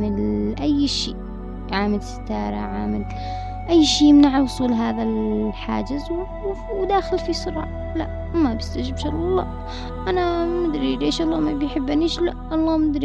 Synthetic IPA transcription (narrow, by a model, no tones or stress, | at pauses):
mɪlʔajːʃiː | ʕaːmɪlsḁt̪ɑːɾˤɑ̰ʕaːmɪl | ʔajːʃiːmnaʕalwʊsˤuːlɦaːðalħa̰ːd͡ʒɪzw | wd̪aːxɪlfisˤʊɾʕa | la̰ʔ | mabɪst̪ad͡ʒɪbʃɑlɑlˤːɑ̰ː | ʔanamʊd̪ɾileːʃʔɑlˤːɑːmabjħɪbːaniːʃlaʔɑlˤːɑːmʊd̪ɾi